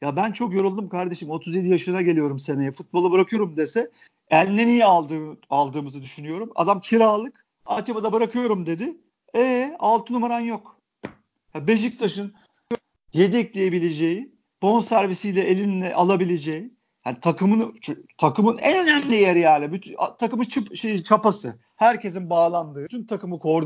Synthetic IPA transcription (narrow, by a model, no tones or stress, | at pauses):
jabænt͡ʃʰo̞kjo̞ɾulˠd̪umkʰaɾd̪e̞ʃimo̞t̪ʰuzjed̪ijaʃɯnaɟe̞lʲijo̞ɾumse̞nejɛfut̪̚bo̞lˠabɯɾakʰɯjo̞ɾumd̪esɛ | ælʲnːenijɛalˠd̪ɯalˠd̪ɯːmɯzɯd̪yʃynyjo̞ɾuma̰d̪amcʰiɾaːlˠɯk | at̪ʰepad̪abɯɾakʰɯjo̞ɾumd̪e̞d̪ɪ | ɛːalˠt̪ʰɯnumaɾanjo̞k | jabe̞ʒic̚t̪ʰaʃɯn | jed̪ɛclʲejebilʲe̞d͡ʒe̞ji | b̥o̞nsæɾvisijlʲɛʔelʲinlʲɛʔalˠabilʲed͡ʒeji | janit̪ʰakɯmɯnt͡ʃt̪ʰakɯmɯnɛ̰nø̞næmlʲijeɾijaːlʲɛbyt̪ʰat̪ʰakɯmɯt͡ʃʰɯpʃejit͡ʃʰapasɯ̰ | hæɾcʰe̞sinbaːlˠand̪ɯːt̪ʰynt̪ʰakɯmɯkʰo̞ɾd̪